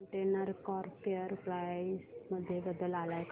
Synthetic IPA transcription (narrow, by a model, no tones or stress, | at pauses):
ɳʈenəɾkɔɾpeəɾpɾajsməd̪ʱːjebəd̪əlalajk